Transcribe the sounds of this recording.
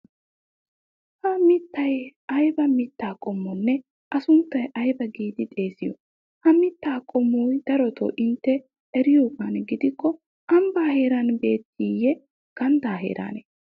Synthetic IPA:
hɐmɪt̪ːɐjɐjbɐmɪt̪ːaːkʼɔmːɔnːɛ | ʔɐsʊnt̪ːɐjʔɐjbɐɡiːd̪ɪt̪ʼe̞ːsɪjɔ̰ | hɐmɪt̪ːaːkʼɔmːujd̪̥ɐɾɔt̪o̰ːʔɪnt̪ːɛ | ɛɾɪjoːkɐnɡɪd̪ɪkːɔ | ʔɐmbaːhe̞ːɾɐnbe̞ːt̪ːijɛ | ɡ̥ɐnd̪aːɦḛːɾa̰ːne

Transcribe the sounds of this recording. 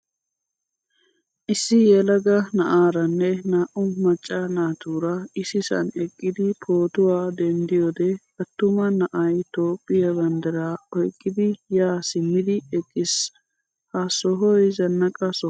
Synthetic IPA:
ʔɪsːɪjɛlɐɡɐnɐʔaːɾɐnːɛnaːʔʊmɐt͡ʃʼːɐnaːt̪uːɾɐɪsɪsɐ̰nɛkʼːɪd̪ɪpʰoːt̪ʊwaːd̪ɛnd̪ɪjoːd̪ɛkɐt̪ːʊmɐnɐʔɐjt̪o̞ːpʼːɪjɐbɐnd̪ɛɾaːɔjkʼːɪd̪ɪjaːsɪmːɪd̪ɪɛkʼːɪs | hasɔɦɔjzɐnːɐkʼɐsɔ

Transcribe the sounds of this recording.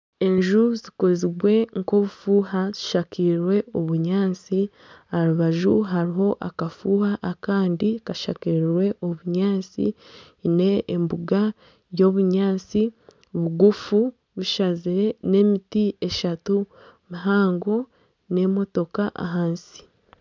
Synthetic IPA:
e̞ɲʒuziko̞ziɡwe̞ŋko̞βufuːhazi̥ʃakiɾɾwe̞oβuɲaːnt͡si | haɾuβaʒuɦaɾiɦo̞ʔakafuːhaʔːkaːndikaʃa̰kiɾɾwe̞ʔoβuɲaːnt͡sḭ | ne̞ːmbuɡa | jo̞ːβuɲaːt͡si | βuɡufu | βiʃaziɾe̞ne̞ːmitie̞ʃatu | miɦaːŋɡo̞ | ne̞mo̞to̞kaʔa̰ɦaːnsi̥

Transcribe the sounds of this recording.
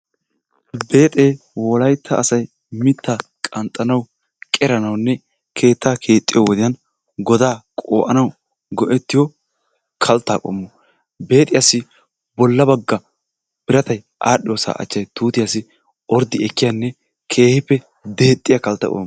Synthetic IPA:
be̞ːt̪ʼeː | wɔlɐjt̪ʰːɐʔːsɐj | mɪt̪ːa | kʼɐnt̪ʼːɐnɐw | kʼɛɾɐnɐwnːɛ | kʰe̞ːt̪ːaːkʰe̞ːt̪ʼːɪjɔwɔd̪ɪjɐn | ɡɔd̪aːkʼoːʔɐnɐw | ɡɔʔɛt̪ːɪjɔ | kʰɐlt̪ːa̰ːkʼɔ̰mːɔ | be̞ːt̪ʼɪjasɪ | bɔlːɐbɐɡːɐ | b̥ɪɾɐt̪ɐj | ʔaːɗɪjoːsa̰ːʔɐ̰t͡ʃːɐjt̪uːt̪ɪjasɪ | ʔɔɾd̪ɪɛkːɪjanːɛ | kʰe̞ːhɪpːɛ | d̪e̞ːt̪ʼːɪjɐkɐlt̪ːɐ̰kʼɔ̰mː

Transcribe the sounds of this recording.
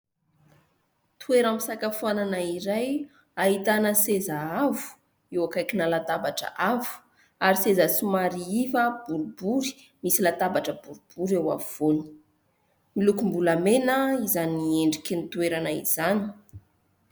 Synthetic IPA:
t̪ueɾamisakafuananaiɾaj | aɦit̪anəsezaavu̥ | ewakajkinalat̪abaʈ͡ʂə̰ʔavu̥ | aɾisezasumaɾiivəb̥uɾubuɾi̥ | misilat̪abaʈ͡ʂəbuɾub̥uɾewa̰vuv̥oni̥ | milukumbulamenəizanieɳɖ͡ʐikinit̪ueɾanaḭz̥ani̥

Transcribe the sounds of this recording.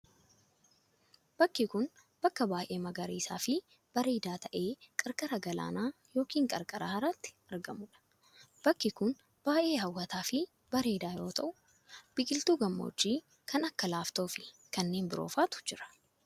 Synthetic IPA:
b̥ɐkːɪkʊn | b̥ɐkːɐbaːʔeːmɐɡɐɾḭːsaːfɪ | b̥ɐɾe̞ːd̪aːt̪ɐʔe̞ːkʼɐɾkʼɐɾɐɡɐla̰ːnaːjo̞ːkiːŋkʼɐɾkʼɐɾa̰hɐɾaːt̪ːɪ̥ɐɾɡɐmʊᶑɐ̥ | b̥ɐkːɪkʊn | b̥aːʔe̞ːhɐwːɐt̪aːfɪ | b̥ɐɾeːd̪aːjo̞ːt̪ɐʔʊ | b̥ɪkʼɪlt̪uːɡɐmːo̰ːt͡ʃːiː | kʰɐnɐkːɐlaːft̪o̞ːfɪ | kɐnːeːnbɪɾo̞̰ːfaːt̪ʊ̥d͡ʒɪɾɐ̥

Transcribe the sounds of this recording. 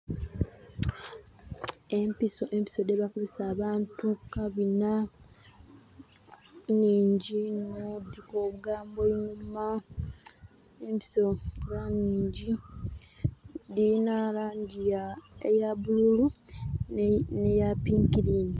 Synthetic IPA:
empisoʔempi̥so̞deβakuzesaːβaːntukaβina | niːɲɟinudikoːβuɡaːmboiɲuma | empi̥so̞ɡaniːɲɟi | dinalaːɲɟijaejaβululu | nejapiːŋkiɾini

